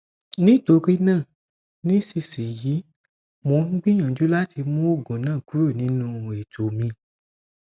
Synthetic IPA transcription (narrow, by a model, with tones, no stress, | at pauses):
nĩ˦˨to˨˧ɾi˦nãː˦˨ | nĩ˦si˧si˨ji˨˦ | mõ˧˦ŋ̩˦ɡ͡bĩ˦ɲ̃ã˨d͡ʒu˨˦la˦tʰi˧mũ˦o˦˨ɡɔ̃˨nãː˦˨ku˦ɾo˦˨nĩ˨˦nũ˧˦˨e˨to˨mĩ˧